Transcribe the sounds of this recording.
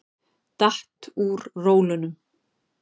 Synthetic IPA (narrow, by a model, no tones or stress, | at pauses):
t̪aht̪uɾroːwlʏnʏm